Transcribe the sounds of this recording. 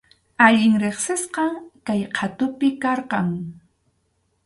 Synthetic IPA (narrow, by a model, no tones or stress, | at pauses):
aʎɪŋɾeχsɪsqɑŋkajqʰɑt̪ʊpɪkɑɾqɑŋ